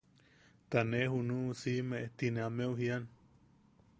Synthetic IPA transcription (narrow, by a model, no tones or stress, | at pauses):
t̪anehunũsimeʔet̪ineameuɦian